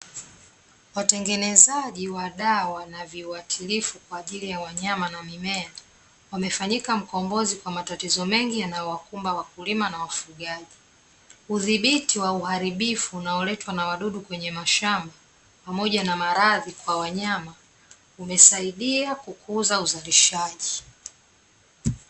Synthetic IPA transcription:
watɛŋɡɛnɛzaʄiwaɗawanaviuatʰilifukwaːʄilijawaɲamanamimɛa | wamɛfaɲikam̩kɔmbɔzikwamatatizɔmɛŋɡijanajɔwakumbawakulimanawafuɠaʄi | uðiɓitiwauhaɾiɓifuːnaɔlɛtwanawaɗuɗukwɛɲɛmaʃamba | pamɔʄanamaɾaðikwawaɲama | umɛsaiɗiakukʰuzauzaliʃaʄi

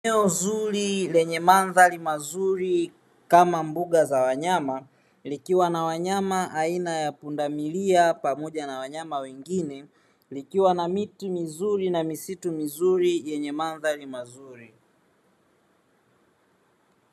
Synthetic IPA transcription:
ɛɔzuɾilɛɲɛmanðalimazuɾi | kamambuɠazawaɲama | likiwanawaɲamaʔainajapundamiliapamɔʄanawaɲamawɛŋɡinɛ | likiwanamitimizuɾinamisitumizuɾijɛɲɛmanðalimazuɾi

